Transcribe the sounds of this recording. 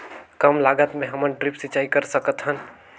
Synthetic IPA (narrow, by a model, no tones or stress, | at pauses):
kəmlaɡət̪mẽɦəmənɖɾipsit͡ʃaikəɾsəkət̪ɦən